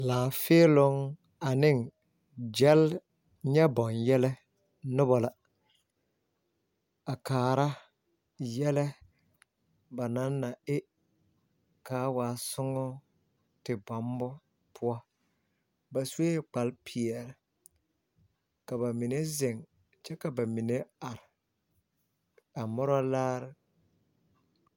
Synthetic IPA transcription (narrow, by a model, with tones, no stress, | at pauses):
laː˨fɪː˦lʊ˦ŋ | a˨nɪ˦ŋ | d͡ʒɛ˦l | ɲɛ˦bɔ˨njɛ˦lɛ˦ | nʊ˦bɔ˦la˨ | a˨kaː˨ɾa˦ | jɛ˦lɛ˦ | ba˨na˨˦nːa˨ɪ˦ | kaː˨˦waː˨sʊ˦ŋɔ˦ | tɪ˨ba˨˦mbɔ˦ | pʰʊ˦a˦ | ba˨su˦e˦k͡pa˨˦lpʰi˨ɛ˨ɾɪ˨ | ka˨ba˨mi˨ne˦zɪ˨ŋ | t͡ʃɛ˦ka˨ba˨mi˨ne˦a˨ɾɪ˨ | a˨mɔ˦ɾɔ˦laː˦ɾɪ˦